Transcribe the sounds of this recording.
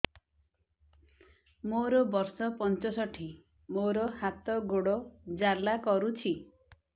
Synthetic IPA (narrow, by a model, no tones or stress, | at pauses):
moɾɔbɔɾsɔpɔnt͡ʃɔsɔʈʰi | moɾɔhat̪ɔɡoɽɔd͡ʒalakɔɾut͡ʃʰi